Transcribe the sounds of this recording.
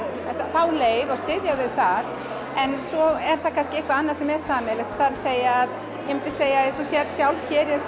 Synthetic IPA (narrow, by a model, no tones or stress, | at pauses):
ɛt̪aθawleːjðɔɣst̪ɪðjavɪðθað | ɛnsɔɛɾ̥θakʰanscɪehkvaanːaɾ̥sɛmɛɾ̥saːmɛlɪt̪θaɾseːjaað | jɛmɪnt̪ɪseːjaɛsɔsjɛɾsjawlçɛːɾ